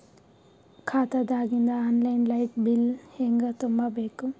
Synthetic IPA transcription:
kʰaːt̪ad̪aːɡind̪aːnlajnlajʈ̚bilheŋɡɐt̪ombabeku

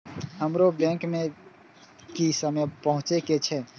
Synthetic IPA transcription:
ɦəmɾobɛ̃ŋkme | kisəmepəɦũt͡ʃeket͡ʃʰɛ

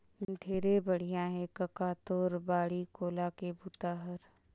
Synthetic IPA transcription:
d̪ʱeːɾebəɽ̤ijãɦɛ̃kəkaːt̪oːɾbaːɽikoːlakebʱut̪aːɦəɾ

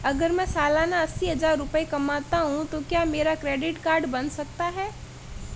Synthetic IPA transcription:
ɐɡəɾmɛ̃ːsaːlaːnaɐsːiɦɐzaːɾːʊpəekɐmaːt̪aɦũt̪okjaːmeːɾakɾeːɖɪʈkaːɾɖbɐnsɐk̚t̪aɦɛː

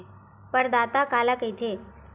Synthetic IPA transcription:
pəɳd̪at̪akalakəjt̪ʰe

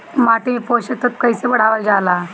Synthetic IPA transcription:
maʈ̪ipoɕət̪ːət̪kəjsebəɽ̤aʋəɾd͡ʑala

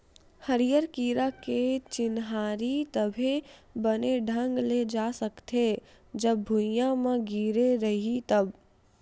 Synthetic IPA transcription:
hɐɾijəɾkiːɾaket͡ʃɪnɦaːɾit̪ɐbʱibɐneɖʱə̃ŋɡled͡ʒaːsɐkt̪e | d͡ʒɐbːujãmãɡiːɾeɾɐɦit̪ɐb

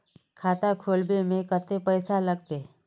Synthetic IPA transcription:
kʰaːt̪akʰoːlbemẽkət̪epɛːɪsalɐɡ̚t̪e

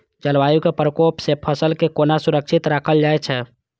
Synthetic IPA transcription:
t͡ʃəlʋajukepɾəkopsepʰəsəlkekonasuɾək̚t͡ʃʰit̪ɾakʰəld͡ʒaɛt͡ʃʰɛ

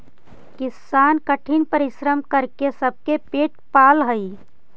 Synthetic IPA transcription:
kɪsaːnkəʈʰinpəɾɪʃɾəmkəɾkesəb̚kepeːʈ̚paːlɦəi

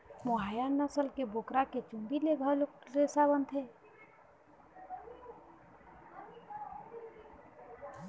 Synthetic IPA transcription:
moɦaːjanəsəlkeboːkɾaket͡ʃũmbileɡʱəlɾeːsabənt̪ʰeː

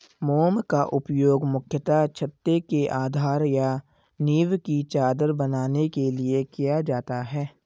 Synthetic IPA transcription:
moːmkaʔʊpjoːɡmʊkʰjət̪at͡ʃʰət̪ːekeʔaːd̪ʱaːɾja | niːʋkit͡ʃaːd̪əɾbənaːnekeliekijad͡ʒaːt̪aɦɛː

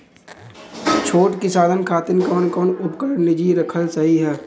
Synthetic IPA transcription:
t͡ʃʰoːʈkisaːd̪ʱənkʰaːt̪ɪnkɔːnkɔːnʊpkəɾənlɪd͡ʒiɾɐkʰəlsɐɦiɦɛː

